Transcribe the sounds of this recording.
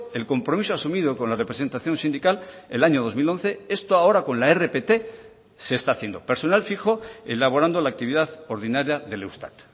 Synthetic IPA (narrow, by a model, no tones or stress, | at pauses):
e̞lko̞mpɾo̞misoasumið̞o̞ko̞nlare̞pɾese̞nt̪aθjo̞nsind̪ikalelaɲo̞ðo̞zmilo̞nθe̞e̞st̪oao̞ɾako̞nlaere̞pe̞t̪e̞ | se̞ːst̪aːθje̞nd̪o̞pe̞ɾso̞nalfixo̞elaβo̞ɾand̪o̞laːk̚t̪iβiðaðo̞ɾðinaɾjaðe̞lewst̪a̰t̪